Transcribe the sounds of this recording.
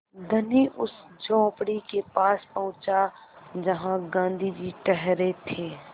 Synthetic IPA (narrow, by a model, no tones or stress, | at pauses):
d̪ʱəniʔʊsd͡ʒɔ̃ːpɽikepaːspɐ̃ʊ̃t͡ʃad͡ʒɐɦãɡãːnd̪ʱid͡ʒiʈɛɦɾet̪ʰeː